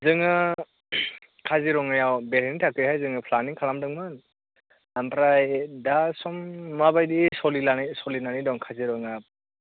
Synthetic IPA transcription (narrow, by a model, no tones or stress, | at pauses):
zɯŋɯ | kʰaziɾɔŋajawbeɾinitʰakɾihajzɯŋɯpʰlaniŋkʰalamdɯŋman | ampɾajdasɔmːabajdisɔlilanisɔlinanidɔŋkʰaziɾɔŋap̚